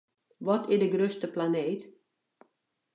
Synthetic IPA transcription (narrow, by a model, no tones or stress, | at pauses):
ʋɔtɪdəɡrøstəplaneːt